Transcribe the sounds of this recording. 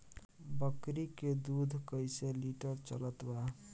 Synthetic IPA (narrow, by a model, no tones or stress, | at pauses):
bəkɾiked̪ud̪ʱkəjseliʈəɾt͡ʃələt̪ba